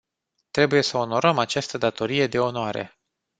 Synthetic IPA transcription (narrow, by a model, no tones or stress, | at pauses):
t̪ɾe̞buje̞səo̞no̞ɾəmat͡ʃast̪əd̪at̪o̞ɾije̞d̪e̞o̞noaɾe̞̰